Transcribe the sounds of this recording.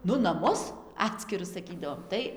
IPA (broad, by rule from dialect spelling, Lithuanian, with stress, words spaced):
ˈnʊ nɐˈmʊs ˈɑːtʲsʲkʲɪrʊs sɐˈkʲiːdɐʋoːm ˈtɐɪ